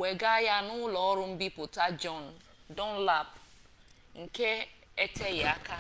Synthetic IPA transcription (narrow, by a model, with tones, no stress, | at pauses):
we˨ɡa˦ja˦nʊ˦lɔ˨ɔ˦ɾʊ˦m̩˦bi˦pʊ˨ta˦d͡ʒɔ˦n̩˨ | dɔ˦n̩˦la˦˨p | ŋ̩˨ke˦ | e˦te˦ɣa˦ka˦